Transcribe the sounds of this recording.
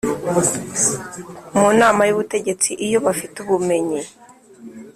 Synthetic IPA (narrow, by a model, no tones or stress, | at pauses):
munaːmajuβute̞ɟe̞t͡siʔijo̞βafituβume̞ɲi